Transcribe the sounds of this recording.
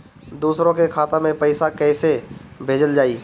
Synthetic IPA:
d̪uːsɾõkekʰaːt̪ãmẽpɛɪsakɛːsebʱeːd͡ʒəld͡ʒaːiː

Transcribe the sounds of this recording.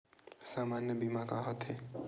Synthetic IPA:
saːmaːnjəbimakaɦɔt̪ʰe

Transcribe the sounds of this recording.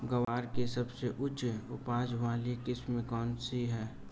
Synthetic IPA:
ɡəʋaːɾkesɐbseʔʊt͡ʃʊpaːd͡ʒʋaːlikɪsmẽkɔːnsiɦɛː

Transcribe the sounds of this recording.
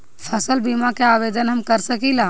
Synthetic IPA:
pʰəsəlbimakaaːʋeːd̪ənɦɐmkəɾsəkiːlaː

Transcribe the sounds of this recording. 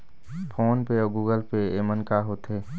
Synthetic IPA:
pʰoːnpeɔɡuːɡəlpeeːmənkaɦoːt̪eː

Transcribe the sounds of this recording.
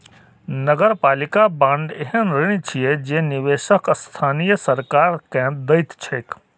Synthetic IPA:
nəɡəɾpalikabãɳɖeɦənɾiñt͡ʃʰijed͡ʒeniʋeʃəkst̪ʰaːnijəsəɾkaɾkɛ̃d̪əjt̪t͡ʃʰək

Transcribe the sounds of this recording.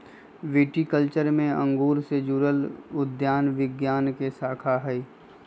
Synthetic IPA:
ʋeːʈikəlt͡ʃəɾmẽə̰̃ŋɡuːɾsed͡ʒuːɾəlʊd̪jaːnʋɪɡjaːnkesaːkʰaɦɛi

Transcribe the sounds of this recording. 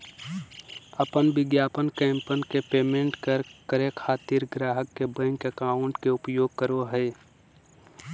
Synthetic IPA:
əpənʋɪɡjaːpənkɛ̃ːmpənkepeːmẽɳʈkəɾkəɾekʰaːt̪iɾɡɾaːɦəkːebə̃ŋkekaːʊɳʈkeʊpjoːɡ̚kəɾoɦɛː

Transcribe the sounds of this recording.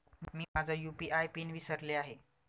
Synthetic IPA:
miːmad͡zʱajupiːʔajpiːnʋisəɾleaɦe

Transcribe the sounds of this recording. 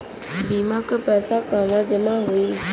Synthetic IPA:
biːmãkəpɛːsakaːmãd͡ʑəmãɦuiː

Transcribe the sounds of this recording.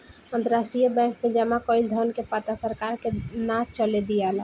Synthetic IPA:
ənt̪əɾasʈɾijəbɛ̃ːkmẽd͡ʒamakɔɪld̪ʱəɾnkepat̪asəɾkaɾkenat͡ʃʰt͡ʃəled̪ijala

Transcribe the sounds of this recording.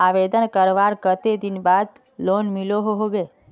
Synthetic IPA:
aʋed̪ənkəɾʋaɾkət̪ed̪inbad̪ | lonmiloɦoɦoɡe

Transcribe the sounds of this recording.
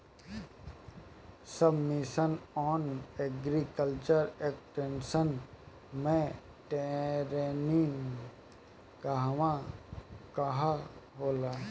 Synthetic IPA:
səbmiʃənɔːneɡɾikəlt͡ʃəɾekʈẽnsən | mẽ | ʈeɾenin | kaɦʋã | kaɦaɦoːlaː

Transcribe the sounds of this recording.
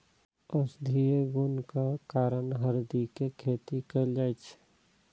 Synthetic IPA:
əsd̪ʱieɡunkakaːɾənɦəɾd̪ikekʰeːt̪ikəld͡ʒaːɛt͡ʃʰ

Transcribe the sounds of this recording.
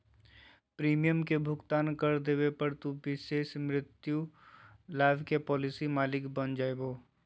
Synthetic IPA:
pɾiːmijəmkebʱʊɡt̪aːnkɐɾd̪eːwepɐɾt̪ubɪʃeːʃmɾɪt̪ju | laːbʱkepɔːlɪsimaːlɪkbənd͡ʒaːeboː

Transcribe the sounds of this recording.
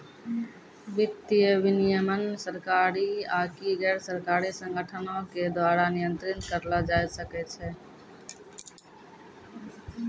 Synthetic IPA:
ʋɪt̪jəʋɪnijəmənsəɾkaːɾiaːkiɡɛːɾsəɾkaːɾisə̃ŋɡʱəʈʰənõked̪waːɾanɪjənt̪ɾɪnt̪kəɾlad͡ʒaːjsəkɛt͡ʃʰɛ

